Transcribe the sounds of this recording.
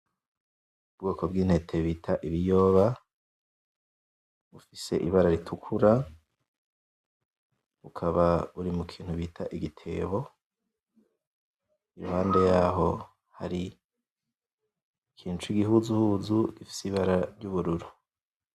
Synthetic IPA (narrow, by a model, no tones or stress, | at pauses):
ubɡo̞ːkʰo̞bɡiːn̥he̞tʰe̞βiːtʰaʔiβijo̞ːβa | βufise̞ʔiβaɾaɾitʰukʰuɾa | ukʰaβauɾimukʰiːn̥huβitʰaʔiɡitʰe̞̰ːβo̞ | iɾuhaːnde̞jaːɦo̞ | haɾi | kʰiːnt͡ʃuiɡiɦuzuhuzuɡ̥ifi̥siβaɾaɾɟuβuɾuɾu